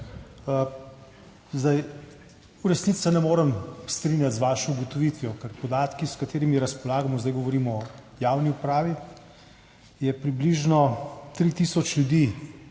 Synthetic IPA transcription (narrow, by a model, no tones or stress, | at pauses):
zd̪aj | uɾɛsnitt͡s̪sɛnɛmoːɾəmst̪ɾinjat̪zʋaːʃɔuɡɔt̪ɔʋiːt̪ʋjɔkɛɾpɔd̪aːt̪kiskat̪eːɾimiɾɐspɔlaːɡamɔzd̪ajɡɔʋɔɾiːmɔjaːwniupɾaːʋi | jɛpɾibliʒnɔt̪ɾit̪isɔt͡ʃlʲjud̪i